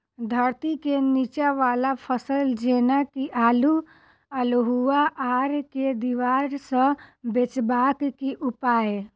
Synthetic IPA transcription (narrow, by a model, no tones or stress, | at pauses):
d̪ʱəɾt̪ikenit͡ʃaʋaːlapʰəsəld͡ʒeːnakiʔaːlu | əlɦuaʔaːɾked̪iʋaːɾsə̃bet͡ʃbakkiʔupaːe